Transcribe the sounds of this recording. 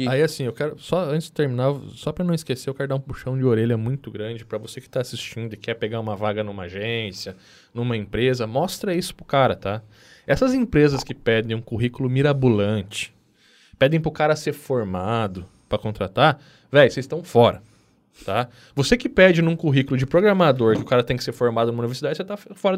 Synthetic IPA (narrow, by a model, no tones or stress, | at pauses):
aiasĩewkɛɾʊsɔɐ̃nt͡ʃɪz̥d͡ʒɪt̪eɾmĩnaɾsɔpɾɐnɐ̃w̃ɪskeseɾewkɛɾʊd̪aũpuʃɐ̃w̃d͡ʒɪoɾeʎɐmũj̃t̪ʊɡɾɐ̃d͡ʒɪpɾɐvosekɪ̥t̪aːsist͡ʃĩnd̪ʊɪkʰɛpeɡaũmɐvaɡɐnũmɐaʒẽsjɐ | nũmɐẽpɾezɐmɔst̪ɾɐisʊ̥pɾʊkaɾɐt̪a | ɛsɐzẽpɾezɐskɪpɛd̪ẽj̃ũkuɦikʊlʊmiɾabulɐ̃nt͡ʃɪ̥ | pɛd̪ẽj̃pɾʊkaɾɐːseɾfoɾmad̪ʊ | pɾɐkõnt̪ɾat̪aɾ | vɛjsezst̪ɐ̃w̃fɔɾɐ | t̪a | vosekɪpɛd͡ʒɪnũkuɦikʊlʊd͡ʒɪpɾoɡɾɐmad̪oɾkɪʊkaɾɐt̪ẽj̃kɪ̥seɾfoɾmad̪ʊnɐmɐuniveɾsd̪ad͡ʒɪʊset̪afɔɾɐ